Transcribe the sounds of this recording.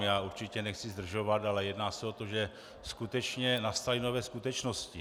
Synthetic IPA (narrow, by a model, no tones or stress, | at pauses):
jaːuɾt͡ʃɪcɛnɛxt͡sizd̪r̩ʒo̞vat̪alɛjɛdnaːsɛot̪oʒɛ | skut̪ɛt͡ʃɲɛnast̪alino̞vɛːskut̪ɛt͡ʃnoscɪ